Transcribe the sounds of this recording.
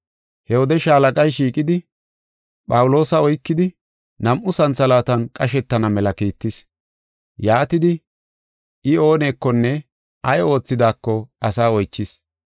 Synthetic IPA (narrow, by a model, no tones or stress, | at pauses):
hɛhɔd̪ɛʃaːlɐkʼɐjʃiːkʼɪd̪ɪ | pʼɐwʊlo̞ːsɐɔjkːɪd̪ɪ | nɐmʔʊsɐnsɐlaːt̪ɐnkʼɐʃɛt̪ːɐnɐmɛlɐkiːt̪ːɪs | jaːt̪ɪd̪ɪ | ʔɪo̞ːne̞ːkːɔnːɛ | ɐjo̞ːt͡sːɪd̪aːkːɔɐsaːɔjt͡ʃːɪs